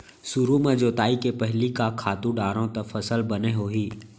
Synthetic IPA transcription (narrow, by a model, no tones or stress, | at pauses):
sʊɾumẽd͡ʒoːt̪aːikepɛɦlikakʰaːt̪ũɖaːɾõt̪ɐfʰɐsəlbɐneɦoːɦiː